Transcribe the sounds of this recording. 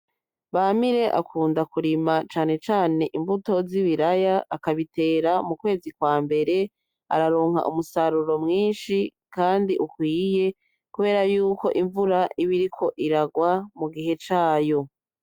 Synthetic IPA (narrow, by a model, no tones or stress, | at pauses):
βamiɾe̞ʔa̰kʰuːndakuɾimat͡ʃaːne̞t͡ʃaːne̞ʔimbuto̞ziβiɾajaʔːkaβite̞ːɾamukwe̞ːzikwaːmbe̞ɾe̞ | a̰ɾaɾo̞ːŋha̰ʔumusaɾuɾo̞mŋiːnʃikaːndiʔukwiːje̞ | kuβe̞ːɾajuːko̞̰ʔiɱvuɾaiβiɾikʰo̞ʔiɾaɡwamuɡiɦe̞t͡ʃaːjo̞